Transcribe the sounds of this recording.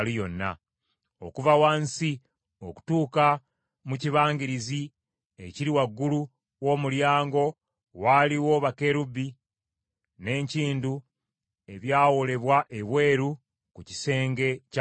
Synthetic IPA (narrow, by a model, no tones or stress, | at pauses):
lijo̞nːa̰ | o̞̰kuvawansi | o̞ku̥tuːka | muciβaːɲɡiɾizi | e̞ciɾiwaɡːulu | wo̞muljaːŋɡo̞ | waliwo̞βake̞ɾubːi | ne̞ːɲciːndu | e̞βjaːwole̞βwaʔe̞βwe̞ːɾu | kuci̥se̞ːŋɡe̞c